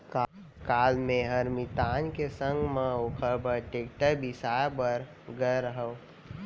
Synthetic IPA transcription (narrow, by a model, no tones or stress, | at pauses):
ka | kaːlmẽɦəɾmit̪aːnkesə̃ŋɡmãokʰəɾbəɾʈeːkʈəɾbisaːbəɾ | ɡəjɾəɦə